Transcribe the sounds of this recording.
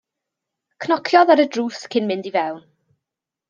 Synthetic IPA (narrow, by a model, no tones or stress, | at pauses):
kʰnɔkʰjɔðaɾədruːθkʰɪnmɪndivɛwn